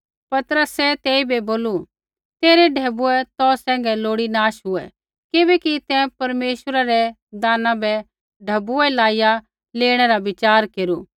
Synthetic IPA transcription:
pɐt̪ɾəsɛt̪eːibɛboːlu | t̪eːɾɛɖʱɛːbuɛt̪ɔːsɛ̃ːŋ̆ɡɛloːɽinaːʃɦʊɛ | kɪbɛkit̪ɛ̃pɐɾmeːʃəɾaɾɛ | d̪aːnãbɛ | ɖʱɐbuɛlaːɪja | leːɽ̃ɛɾaʋɪt͡ʃaːɾkeːɾuː

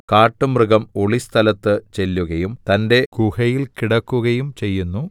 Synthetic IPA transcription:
kaːʈːɨmrɨɣɐmo̞ɭist̪ʰɐlɐt̪ːɨt͡ɕe̞lːuɣɐjumt̪ɐnde̞kuhɐjilkiɽɐkːuɣɐjumt͡ɕe̞jːunːu

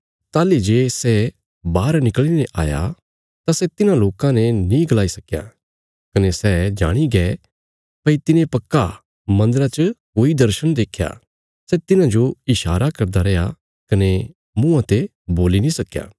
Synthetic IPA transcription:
t̪aːlid͡ʒeːsɛ | baːɾnɪkəɭinɛ̃ʔaːja̰ | t̪asɛt̪ɪnãloːkãnɛnĩɡɐlaːisɐkja̰ | kɐnesɛːd͡ʒa̰ːɽ̃iɡɛː | pɐit̪ɪnẽpɐkːa | mɐ̃nd̪əɾat͡ʃəkoːid̪ɐɾʃəɽ̃d̪eːkʰja̰ | sɛt̪ɪnãd͡ʒoɪʃaːɾakɐɾd̪aɾɛja̰ | kɐne | mũãt̪e | boːlinĩsɐkja̰ː

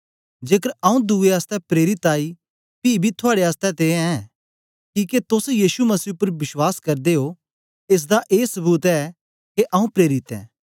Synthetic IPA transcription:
d͡ʒeːk̬əɾɐũd̪ueaːst̪ɛpɾeːɾɪt̪aːi | piːbʱit̪ʰʊaːɽeaːst̪ɛt̪eːɛ̃ɛ̃ | kiːket̪ʊsjiːʃumɐsiːʊpːəɾbɪʃwaːskɐɾd̪eɦo | es̬d̪aʔeːsɐbuːt̪ɛ | keʔɐũpɾeːɾɪt̪ɛ̰̃ː

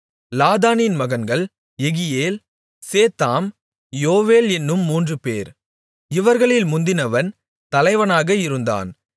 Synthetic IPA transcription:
laːðaːnɪnmɐɣɐnɡɐɭ | ɛɣɪjeːl | seːt̪aːm | joːʋeːlɛnːɯmːuːndrɯpḛːɾ | ɪʋɐɾɣɐɭɪlmʊnd̪ɪnɐʋɐn | t̪ɐlɐɪʋɐnaːɣɐɪɾɯnd̪a̰ːn

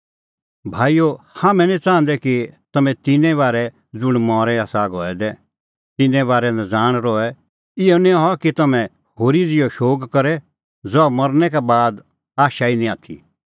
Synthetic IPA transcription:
bʱaːijohamɛ̃nĩt͡sãːnd̪ɛkit̪ɐmɛ̃t̪ɪnɛ̃βaːɾɛ | d͡zʊɽ̃mɔːɾɛaːsaɡɔ̰ːɛd̪ɛ | t̪ɪnɛ̃βaːɾɛnɛ̃d͡zaːɽ̃ɾɔɛ | ɪonĩɦɔkit̪ɐmɛ̃ | ɦoːɾid͡zɪjɔʃoːkkɐɾɛ | d͡zɔamɐɾnɛk̬abaːd̪ | aːʃainĩaːt̪ʰḭ

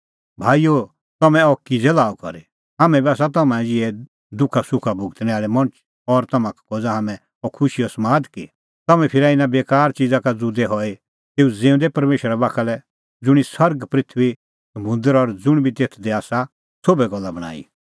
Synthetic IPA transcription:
bʱaːijo | t̪ɐmɛ̃ɔkid͡zɛlaːɔkɔ̰ɾe | ɦaːmɛ̃biaːs̬at̪̬ɐmãɛ̃d͡ʒɪɛ | d̪ʊkʰasʊkʰabʊɡt̪nɛaːlemɐ̃t͡ʃ | ɔɾt̪ɐmãkkoːd͡zaɦaːmɛ̃ | ɔkʰʊʃiɔsmaːd̪ki | t̪ɐmɛ̃pʰɪɾaɪnabeːkaːɾt͡ʃid͡zakad͡zud̪ɛɦɔe | t̪eːud͡zẽːʊ̃nd̪ɛpɐɾmeːʃəɾabaːkʰalɛ | d͡zʊɽ̃isɐɾɡpɾɪt̪ʰʋi | sɐmʊ̃nd̪əɾɔɾd͡zʊɽ̃bʱit̪eːt̪ʰd̪eaːsa | sobɛɡɔlːabɐɽ̃a̰ːḭ

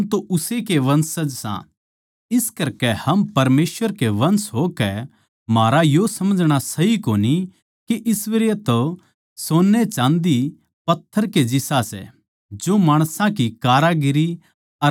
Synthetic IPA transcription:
ɦmt̪oʔʊsekeʋɐ̃nsɐd͡ʒsã̰ | ɪskɐɾkɛhɐmpɐɾmeːsʋəɾkeʋɐ̃nsɦoːkɛ | maːɾajosɐməd͡ʒɽ̃asɐɦikoːni | kiʔɪsʋɐɾjət̪o | soːnːɛt͡ʃãːnd̪i | pɐt̪ʰːəɾked͡ʒɪsasɛ̰ | d͡ʒomaːɽ̃sãkikaːɾaɡɪɾi | ɐ

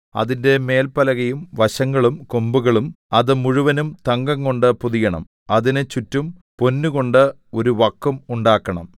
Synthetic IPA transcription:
ɐ̰ðinde̞me̞ːlpɐlɐɣɐjumʋɐɕɐŋːɐɭumkombuɣɐɭum | ɐðɨmuɻuʋɐnumt̪ɐŋɡɐŋko̞ɳɖɨpuðijɐɳɐ̰m | ɐðinɨt͡ɕutːumpo̞nːuɣo̞ɳɖɨ | o̞ɾuʋɐkːɐmuɳɖaːkːɐɳɐ̰m

